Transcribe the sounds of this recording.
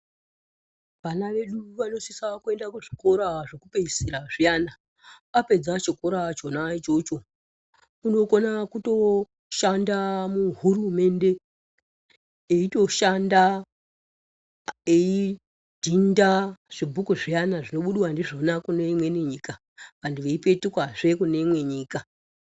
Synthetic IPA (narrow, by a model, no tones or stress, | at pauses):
ʋanaʋe̞ɗuʋano̞sisakue̞ndakuʐiko̞ɾaʐokupeisiɾaʐijana | ape̞d͡zat͡ʃikoɾat͡ʃonat͡ʃot͡ʃo̞ | uno̞ko̞nakuto̞ | ʃandamuɦurume̞nde̞ | eito̞ʃanda | ei | dʱindaʐ̥ibʱukuʐijanaʐino̞ɓuɗiwandiʐonakuneimwe̞niɲika | pandiʋeipe̞tikwaʐe̞kune̞imwe̞ɲiːka